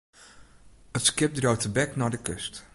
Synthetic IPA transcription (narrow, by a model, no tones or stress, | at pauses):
ətskɪp̚drowtəbɛknaːɹdəkɵ̰st